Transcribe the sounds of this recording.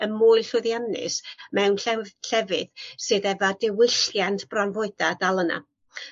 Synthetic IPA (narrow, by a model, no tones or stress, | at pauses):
əmuːɨɬʊðjanɨ̰smɛwnɬɛɬɛvɨðsɨːðɛvadɪwɪɬjantʰb̥ranvɔɨd̥adalˠəna̰